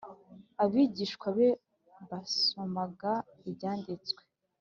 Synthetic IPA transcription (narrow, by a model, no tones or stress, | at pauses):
aβiːɟiːʃkwaβe | βasomaɡa | ibɟaːndit͡swe̥